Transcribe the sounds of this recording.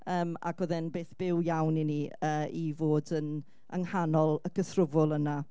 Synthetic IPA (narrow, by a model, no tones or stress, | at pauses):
əːma̰ɡʰɔðɪnbeːθb̥ɪwjawniniəːivoːdən | ə̰ŋhanɔlˠəɡəθrʊvʊlˠəna